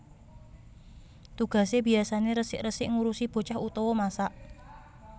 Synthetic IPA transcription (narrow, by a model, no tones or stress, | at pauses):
t̪uɡ̥a̤sebiasaneɾəsɪʔrəsɪʔŋuɾusib̥o̤t͡ʃahut̪ɔwɔmasaʔ